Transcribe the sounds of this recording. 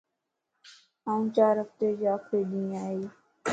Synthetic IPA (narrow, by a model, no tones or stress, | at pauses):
ɦãːũːt͡ʃaːɾɦəft̪eːd͡ʒaːkʰeːd̪ĩːaːiː